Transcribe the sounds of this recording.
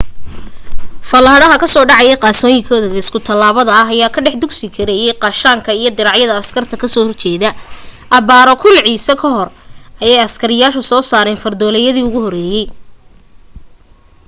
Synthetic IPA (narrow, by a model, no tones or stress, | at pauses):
fɐlaːɽɐɦɐkʰɐsɔːɖɑʕɑjɛqɑːsɔːjɪŋkʰɔːðɐðɐɪskʰʊt̪ʰɐlːaːβɐðɐɐɦɐjaːkʰɐɖɛħd̪ʊɡsɪkʰɐɾɛjɛjqɑʃaːŋkʰɐijɞd̪ɪɾɑʕjɐðɐɐskʰɐrt̪ʰɐkʰɐsɔːhɔrt͡ʃʰɛːðɐʔɐβaːɾɔkʰʊlʕiːsɐkʰɐɦɔrɐjɛjɐskʰɐɾɪjaːʃʊsɔːsaːɾɛːnfɐrd̪ɔːlɛjɐðiːʊɣʊhɔrɛːjɛj